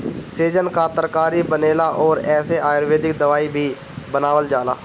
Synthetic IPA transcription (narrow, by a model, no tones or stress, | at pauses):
seːd͡ʒənkaːt̪əɾkaːɾiːbəneːlaːʔɔːɾɛːseːʔaːjɾʋeːd̪ɪkd̪əʋaːiːbʱiː | bənaːʋəld͡ʒaːla̰ː